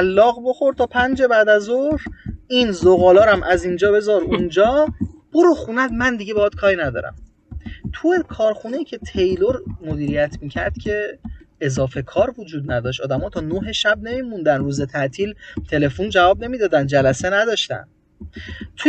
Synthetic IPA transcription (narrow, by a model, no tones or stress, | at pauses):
ælːɒːɣbo̞xo̞ɾd̪t̪ʰɒːpʰænd͡ʒe̞bæːd̪æzoɾinzoɣɒːlɒːɾæmʔæziːnd͡ʒɒːbe̞zɒɾund͡ʒɒːb̥oɾuxunæd̪mænd̪iɟe̞behɒːd̪̥kʰɒːɾinæd̪ɒ̰ːɾæ̰m | t̪ʰujekʰɒːɾxuneiːcʰe̞t̪ʰe̞jloɾmod̪iːɾijæt̪ʰmiːcʰæɾd̪̥cʰe̞ezɒːfe̞kʰɒːɾvod͡ʒuːd̪næd̪ɒːʃ̬t̪ɒːd̪æmɒːt̪ʰɒːnoɦe̞ʃæb̚ne̞miːmund̪ænɾuːze̞t̪ʰæʔt̪ʰiːlt̪ʰe̞le̞fund͡ʒævɒːb̚ne̞miːd̪ɒːd̪ænd͡ʒælæsenæd̪ɒːʃt̪æ̰n | t̪ʰu